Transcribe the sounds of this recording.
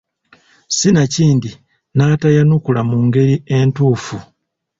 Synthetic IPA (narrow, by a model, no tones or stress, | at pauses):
sinaciːndi | naːtajanukulamuŋɡe̞ɾie̞ntuːfu